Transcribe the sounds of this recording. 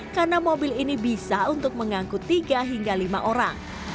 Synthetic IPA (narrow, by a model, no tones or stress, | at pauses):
karnamobɪlinibisaunt̪ʊk̚məŋaŋkut̪ːiɡaɦiŋɡalimaʔoɾaŋ